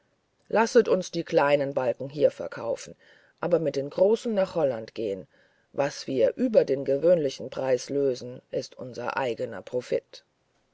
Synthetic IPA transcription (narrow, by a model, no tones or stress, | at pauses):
lʔasətʊnsd̥iːkʰl̥aɪnənbalkŋ̩ɦiːɐfɛɐkʰaʊfn̩ | ʔaːbɐmɪt̚d̥eːnɡʁoːsn̩naːχhɔlantɡ̥eːən | vasv̥iːɐʔyːbɐdeːnɡəvøːnlɪçn̩pʁ̥aɪsløːzn̩ʔɪstʔʊ̰nzɐ̰ʔa̰ɪɡənɐ̰pʁ̥ofɪ̰t